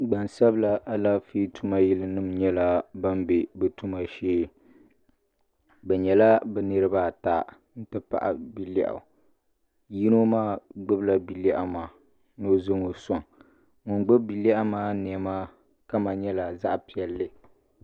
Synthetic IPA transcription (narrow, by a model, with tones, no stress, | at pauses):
ɡ͡ba˨nsa˦bla˦ʔa˦la˦fi˦tu˦ma˦ji˦lɨ˦nɨ˦mɲɛ˦la˦ba˦mbe˨bɨ˨tu˦ma˨ʃeː˦ | bɛ˨ɲɛ˨la˦bɛ˨nɨ˦ɾɨ˦ba˦˨ta˦˨ | n̩˦tɨ˦pa̰˨ʔa̰˨bi˨la̰˨ʔa̰˨ | ji˦no˦maː˦ɡ͡bɨ˦bla˦bi˨lɛ˦ʔa˨ma˨ | no˦zo˦ŋo˨sɔ˨ŋ | ŋʊ˨nɡ͡bʊ˦bbi˨la˦ʔa˦maː˦nɛ˨ɛ˨ma˦ | ka˦ma˨ɲɛ˦la˨za˦ʔpi˨ɛ˨lːɨ˦